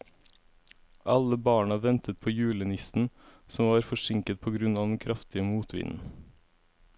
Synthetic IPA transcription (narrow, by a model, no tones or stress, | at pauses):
ʔɑləbɑːɳɑʋɛnt̪ət̪̚pʰoːjʉːlənɪsn̩sɔmʋɑːɾfɔʃɪŋkət̪̚pʰoːɡɾʉnɑːd̪ɛn̩kʰɾʔɑft̪ɪəmuːt̪ʰʋɪ̰nn̩